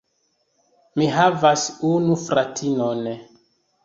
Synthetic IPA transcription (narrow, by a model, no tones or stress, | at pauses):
miɦavasunufɾatʰinon